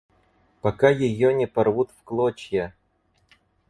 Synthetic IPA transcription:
pɐkajɪjonʲɪpɐrvut̪fklˠot͡ɕjə

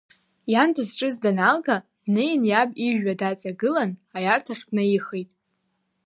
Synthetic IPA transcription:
jandʰazʈ͡ʂʼɨzdanalɡadnejnjabiʒᶣadat͡sʼaɡɨlanajartʰaχʲdnɨiχejtʼ

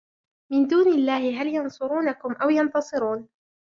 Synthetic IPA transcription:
mɪnd̪uːnɪlːaːhɪɦaljɑnsˤʊɾuːnakʊmʔawjɑnt̪ɑsˤɨɾuːn

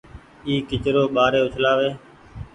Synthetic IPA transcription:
iːkɪt͡ʃɾoːɓaːɾeːʊt͡ʃʰlaːʋeː

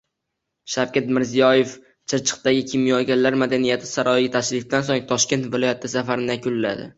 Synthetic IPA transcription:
ʃawkʲat̪mɪɾzijɒje̞f | t͡ʃʰɪɾt͡ʃʰɨ̥qt̪aɡʲɪkʲʰimjɒlɡʲanlaɾmad̪anijat̪ʰɪ̥saɾɒjɪɡʲat̪ʰaʃɾɪfd̪ansoŋt̪ʰɒʃkʲe̞nt̪vɪlˠɒjat̪ʰɪsafaɾɪnɪjakʰʲʊlːa̰d̪ɪ̰

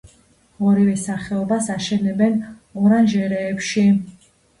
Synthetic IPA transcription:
ɔɾivɛsaχɛɔbasaʃɛlɛbɛn | ɔɾanʒɛɾɛːpʃi

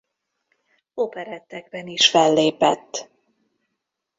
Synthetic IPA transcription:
opɛɾɛt̪ːɛɡ̚bɛniʃfɛlːeːpɛt̪ː

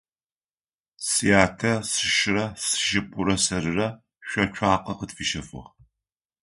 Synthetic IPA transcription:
sijaːtʰɐsɨʃɪrɐsɨ̥ʃɪp̚ʷʼʊɾɐsɐɾɨrɐ | ɕʷɐt͡ʃʷʰaːqɐqətfiʃɐfɨ̰ʁ

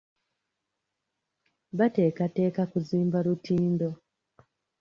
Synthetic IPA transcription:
βate̞ːkate̞ːkakuziːmbalutiːndo̞

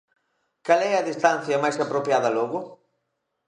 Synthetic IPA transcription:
kalɛɐðist̪an̟θjɐmajsapɾopjaðɐlɔɣʊ

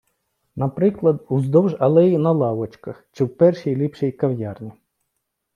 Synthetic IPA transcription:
nɐpɾɪklˠɐd̪uzd̪ɔwʒɐlˠɛjinɐlˠɑwɔt͡ʃkɐxt͡ʃɪwpɛrʃijlʲipʃijkɐwjɑrnʲi

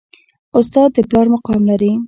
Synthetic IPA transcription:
ʊst̪ɑd̪̚ːəplɑɾmʊqɑmlaɾi

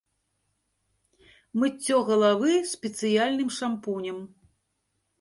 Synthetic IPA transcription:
mɨt͡sʲːɔɣɐlˠavɨspʲɛt̪sɨjalʲnɨmʂampunʲɐm

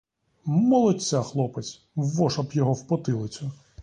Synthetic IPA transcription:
mɔlˠɔt͡sʲːaxlˠɔpet͡sʲ | ʋɔʃɐpjɔɦɔwpɔt̪ɪlˠɪt͡sʲʊ

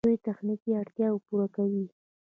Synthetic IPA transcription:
ujt̪axnikiaɽt̪jɑwpuɾakawi

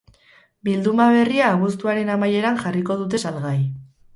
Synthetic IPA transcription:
bild̪umaβ̞e̞riaːɣ̞ust̪uaɾe̞namaje̞ɾaŋʝariko̞ð̞ut̪e̞salɣaj

